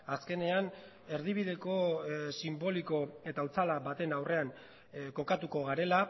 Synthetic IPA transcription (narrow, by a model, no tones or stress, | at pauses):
aske̞ne̞an | e̞ɾðiβ̞iðe̞ko̞simbo̞liko̞e̞t̪aut͡salaβat̪e̞nawre̞aŋ | ko̞kat̪uko̞ɣaɾe̞la